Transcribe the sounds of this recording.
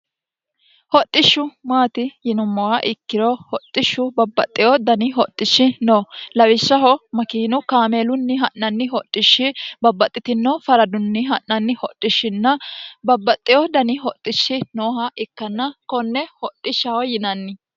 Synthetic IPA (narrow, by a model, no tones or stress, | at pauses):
hɔt̪ʼːɪʃːʊmaːt̪ɪjɪnʊmːɔwɐʔɪkːɪɾɔhɔt̪ʼːɪʃːʊbɐbːɐt̪ʼːɪjɔd̪ɐnɪɦɔt̪ʼːɪʃːɪnoːlɐwɪʃːɐɦɔmɐkiːnʊkaːmeːlʊnːɪɦɐʔːɐnːɪɦɔt̪ʼːɪʃːɪbɐbːɐt̪ʼːɪt̪ɪnːofɐɾɐd̪ʊnːɪɦɐʔːɐnːɪhɔt̪ʼːɪʃːɪnːɐbɐbːɐt̪ʼːɪjɔd̪ɐnɪɦɔt̪ʼːɪʃːɪnoːɦɐʔɪkːɐnːɐkɔnːɛhɔt̪ʼːɪʃːɐhɔjɪnɐnːɪ